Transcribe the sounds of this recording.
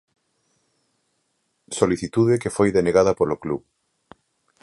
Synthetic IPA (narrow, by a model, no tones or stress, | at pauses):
soliθit̪uðekefojðeneɣað̞ɐpolokluβ